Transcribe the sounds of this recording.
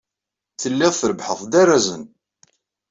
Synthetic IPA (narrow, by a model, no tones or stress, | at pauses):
θəlːɪʁθəɾəbħəðˤd̪æræzən